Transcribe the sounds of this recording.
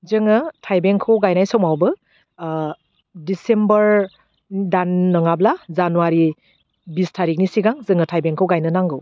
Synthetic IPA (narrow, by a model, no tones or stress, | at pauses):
zɯŋɯtʰajbeŋkʰɯwɡajnajsɔmawbɯ | disembʌɾ | danːɯŋablazanuwaɾi | bistʰaɾik̚nisiɡaŋzɯŋɯtʰajbeŋkʰɯwɡajnɯnaŋɡɯw